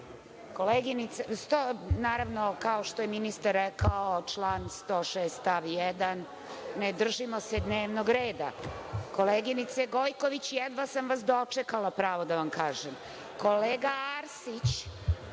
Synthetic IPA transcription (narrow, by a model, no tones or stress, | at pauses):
koleɡinit̪sest̪onaːɾaʋnokaoʃt̪ojeminist̪aɾːɛkaot͡ʂlˠaːnst̪oːʃeːst̪aʋjɛd̪anː | ed̪r̩ʒimo̞sed̪neːʋnoɡɾeːd̪a̰koleɡinit̪seɡojko̞ʋit͡ɕjɛd̪ʋasamʋasd̪o̞t͡ʂɛkalˠapɾaːʋod̪aʋamkaːʒem | ko̞leːɡaaɾsit͡ɕ